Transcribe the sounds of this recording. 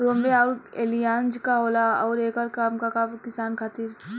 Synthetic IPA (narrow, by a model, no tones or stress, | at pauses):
ɾoːmbeaːɾeːlijãːnd͡ʒkaɦoːlaɔːɾeːkɔːɾkaːmkakakɪsaːnkʰaːt̪iːɾ